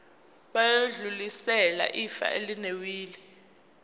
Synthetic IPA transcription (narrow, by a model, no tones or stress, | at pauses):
ɓajoɮulisɛla̰ʔifa̰ʔelinewiːli